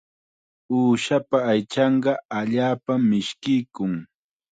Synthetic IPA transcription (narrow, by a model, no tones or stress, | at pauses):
uːʃapaːjt͡ʃɑɴɢɑaʎaːpamːɪʃkɪjkʊŋ